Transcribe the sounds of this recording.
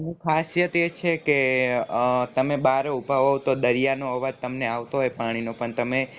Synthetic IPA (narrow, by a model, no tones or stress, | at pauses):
nũkʰasjət̪et͡ʃʰeke | t̪əmebaɾeubʱaʋoʋt̪od̪əɾijanoɦəʋad͡ʒt̪əmneaʋt̪oɦɔepaɽ̃inopəɳt̪əme